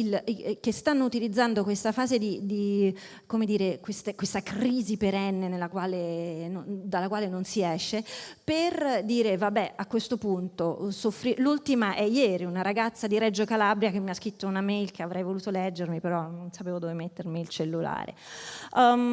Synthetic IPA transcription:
ilk̟est̪anːout̪ilid̪zːand̪okwest̪afaːzed̪id̪i | komed̪iːɾekwest̪ekwest̪akriːzipeɾɛnːenelːakwaːlenond̪alːakwaːlenonsiɛʃːeperd̪iːɾevabːɛakːwest̪opunt̪osofːɾilult̪imaʔɛjɛːɾiunaɾaɡat̪sːad̪iɾɛd͡ʒːokalabɾjakemːiaskɾit̪ːounamejlk̟eavɾʔɛjvoluːt̪olɛd͡ʒːermipeɾɔnonsapeːvod̪ovemet̪ːermiːlt͡ʃelːula̰ːɾḛ

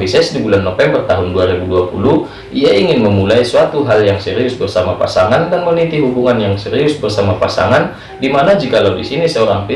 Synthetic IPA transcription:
fisɛsdibulanːofɛmbərt̪aɦʊnduaɾibuduapulu | ʔiaiŋɪnməmulaisuat̪uɦaljaŋsɛɾiʊsbərsamapa̰saŋandanmənit̪iɦubuŋanjaŋsɛɾiʊsbərsamapa̰sa̰ŋan | dimanad͡ʒikaladisinisəoɾaŋfi

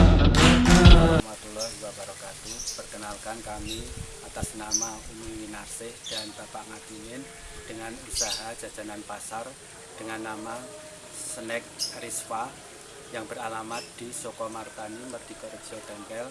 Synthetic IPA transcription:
mat̪ulɔhiwakaɾokat̪upərkənalkankamiat̪asnamaumiwinarsɪhd̥anb̥apaʔŋat̪iwɪn | d̥əŋanusaɦad̥ʒ̥a̤d͡ʒ̥a̤nanpasar | d̥əŋanːama | sənɛk̚rɪsfa | jaŋb̥əɾalamat̪̚d̪̥i̤sokɔmart̪animərd̪̥i̤kɔɾi̥d͡ʒ̥ɔd̪̥anpɛl

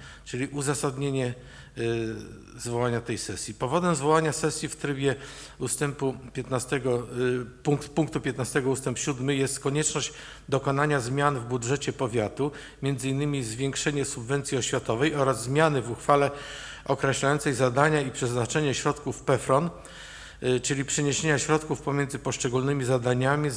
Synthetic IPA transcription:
t͡ʂɘlʲiʔuzasad̪ɲeɲɛ | zvɔwaɲat̪ɛjsɛsʲjipɔvɔd̪ɛmzvɔwaɲasɛsʲjift̪ɾɘbʲjɛ | ust̪ɛmpupʲjɛt̪nast̪ɛɡɔpuŋkt̪puŋkt̪upʲjɛt̪nast̪ɛɡɔust̪ɛmpɕud̪mɘjɛst̪kɔɲɛt͡ʂnɔʑd͡ʑ | d̪ɔkɔnaɲazmʲjanvbudʐɛt͡ɕɛpɔvʲjat̪u | mʲjɛnd̪zɘinːɘmʲizvʲjɛŋkʂɛɲɛsubvɛnt̪sʲiɔɕfʲjat̪ɔvɛjɔɾazːmʲjanɘvuxfalɛ | ʔɔkɾɛɕlajɔnsɛjzad̪aɲaipʂɛznat͡ʂɛɲɛɕɾɔt̪kufpɛfɾɔn | t͡ʂɘlʲipʂɛɲeɕeɲaɕɾɔt̪kufpɔmʲjɛndzɘpɔʂt͡ʂɛɡulnɘmʲizad̪aɲamʲi

